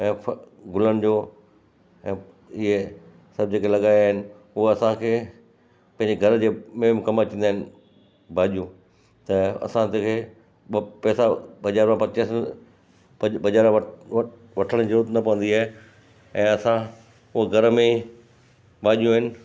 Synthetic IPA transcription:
ɛ̃ː | ɡʱʊlənɪ̆d͡ʑoː | ɛ̃ː | ɪɦe | sɐb̚ʱd͡ʑeːkʰelɐɠaːjaːɦɪnɪ̆ | ʊɦɐsãkʰeː | pɐ̃ɦɪ̃ɲd͡ʑeɡʱɐɾd͡ʑeːmeːmkɐmat͡ɕĩːnd̪aːɦɪn | bʱaːʄijũ | t̪ɐɐ̰sãt̪ekʰeː | pɛːsabɐʄaːɾmãpɐt͡ɕes | pbɐʄaːɾ | ʋɐʈʰəɽ̃ĩd͡ʑɐɾuːt̪nɐpɐʋə̃nd̪iaːɦe | ɛ̃ːɐsã | ʊɦɡʱɐɾmẽ | bʱaːʄijũɦɪnɪ̆

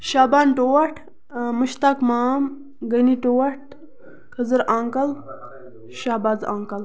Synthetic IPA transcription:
ʃaːbaːnʈoːɐʈʰ | muʃt̪aːkmaːm | ɡɐniʈowɐʈ̚ | kʰɐzəɾaːŋkɐl | ʃaːbaːzaːŋkɐl

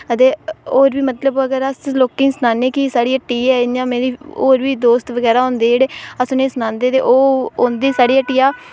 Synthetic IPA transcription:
ət̪eːoːɾbiːmət̪ləbəɡəɾəsloːkɪ̃ːsənaːneːkisaːɽiːəʈːiːɛːjãːmeːɾiːoːɾʋiːd̪oːst̪ʋəɡɛːɾaːɦʊ̃ːnd̪eːd͡ʒeːɽeːəsʊneːsənãːnd̪eːt̪eːʔoːoːnd̪eːsaːɽiːəʈːijaː

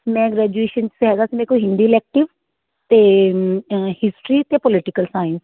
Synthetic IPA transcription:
mɛ̃ːɡɾɛːd͡ʒueːʃənsɦɛːɡ̪aːsiːmɛ̃ːkoɦɪ̃nd̪iːlɛːk̚ʈɪʋ | t̪eː | hɪsʈɾiːt̪epɔlɪʈɪkəlsaːɪns

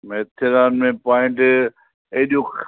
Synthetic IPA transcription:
meːt̪ʰɪɾaːnmẽpaːɪ̃ɳʈ | ɐɦɗijok

